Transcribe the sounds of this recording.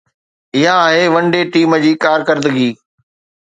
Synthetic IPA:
ɪɦãːɦeʋɐ̃ɳɖeʈiːmə̆d͡ʑiːkaːɾkəɾd̪əɡiː

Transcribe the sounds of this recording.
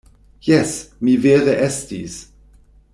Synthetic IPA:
jɛsmiveːʁeʔɛstis

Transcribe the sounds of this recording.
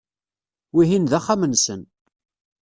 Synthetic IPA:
wiɦinðaχːamənsən

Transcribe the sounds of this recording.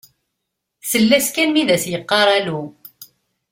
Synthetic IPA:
səlːæskænmiðæsjəqːɑɾˤælu

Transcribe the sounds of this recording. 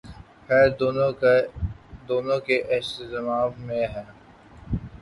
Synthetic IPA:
xɛːɾd̪o | d̪oːnõkeʔɛsɪzmaːʋmẽɦɛ̃ː

